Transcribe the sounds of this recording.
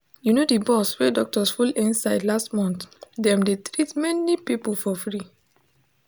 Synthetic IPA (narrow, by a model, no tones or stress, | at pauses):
junodibɔswɛdɔk̚tɔsfulĩnsaɪdlastmɔ̃nt̪dɛ̃mdetɹitmɛnipipulfɔfɹi